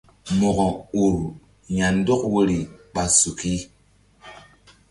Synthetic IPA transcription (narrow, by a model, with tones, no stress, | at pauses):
mɔ˨kɔ˨u˨ɾ | ɲa˨n̩˦dɔ˦k̚we˦ɾi˨ɓa˨su˨ki˦